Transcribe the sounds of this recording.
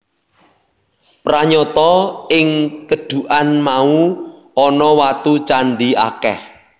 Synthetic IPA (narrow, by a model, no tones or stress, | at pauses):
praɲɔt̪ɔɪŋkəɖ̥ṳʔanmau | ɔnɔwat̪ut͡ʃanɖia̰kɛ̰h